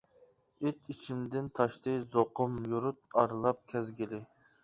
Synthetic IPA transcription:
et̪it͡ʃʰimd̪ɪnt̪ʰɑʃt̪ɨjzoqʰʊmjuɾut̪̚ɑɾlˠɑp̚kʲʰɛzɡʲilɪ

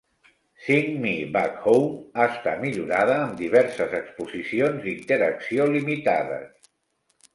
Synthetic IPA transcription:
siŋmiβakhowmaəst̪at̪miʎuɾaðəːmd̪iβ̞ɛɾsəzəkspuzisionzd̪int̪əɾəksiolimit̪aðə̰s

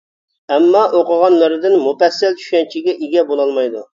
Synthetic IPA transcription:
ɛmːɑʔoqəʁɑnlˠɨɾɨd̪ɪnmufɛsːɛlt͡ʃʰy̥ʃɛnt͡ʃʰiɡʲɛʔiɡʲɛbolˠɑlˠmɑjd̪u

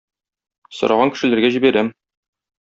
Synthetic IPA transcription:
sŏɾɑʁɑŋkɘ̆ʃɘ̆læɾɡæʑibæɾæm

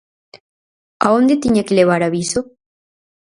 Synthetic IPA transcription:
aond̪et̪iɲekeleβaɾaβiso

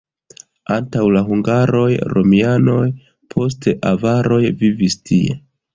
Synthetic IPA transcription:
antawlaɦuŋɡaɾo̞jɾo̞miano̞j | pʰo̞s̬teʔavaɾo̞jvivistʰie̞̰

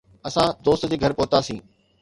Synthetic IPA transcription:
ɐsãd̪oːst̪d͡ʑeːɡʱɐɾpʊɦʊt̪asĩː

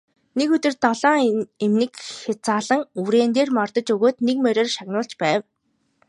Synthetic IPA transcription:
nekɵt̪ɵ̆rt̪ɔɮɔːŋemnɘ̆kxat͡saːɮə̆ŋuɾeːnt̪eːrmɔrt̪ɞ̆t͡ɕɵɣoːt̪nekmœɾʲɔːrʃaɣnʊːɬt͡ɕpæːw

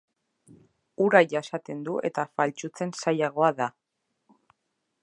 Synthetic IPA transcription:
uɾajʝasat̪e̞nd̪uʔe̞̰t̪afalt͡ʃut͡se̞nsajaɣ̞o̞aða

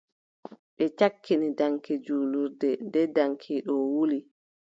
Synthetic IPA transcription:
ɓɛt͡ʃakːinidaŋkɛd͡ʒuːluɾdɛndɛdaŋkʰiɗɔwuli

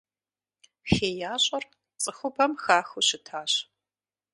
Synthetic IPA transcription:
xeːjaːɕʼɐr | t͡sʼɨxʷʊbʰɐmxaːxʊɕɪtʰaːɕ

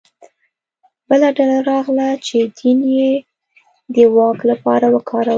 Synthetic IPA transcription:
bəlaɖalaɾɑɣlat͡ʃed̪inje | d̪əwɑklapɑ̰ɾawəkʰɑɾa

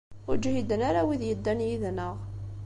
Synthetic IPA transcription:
ʊɾd͡ʒhid̪ənaɾawiðjəd̪ːænjiðnəʁ

